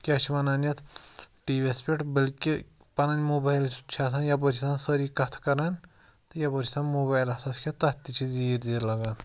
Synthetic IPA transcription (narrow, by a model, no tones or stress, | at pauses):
kʲaːt͡ʃʰiʋɐnaːnjɐt̪ʰʈiːʋʲespeʈbəlki | pɐnɐnʲmoːbajlt͡ʃʰaːt̪ʰaːnjɐboɾʰisaːnsəɾiːkɐt̪ʰkɐɾan | t̪jɐbɐɾʲʰisaːnmoːbaːjlɐsaskʰʲet̪ɐt̪ːit͡ʃʰiziːɾd̪iːɾlɐɡan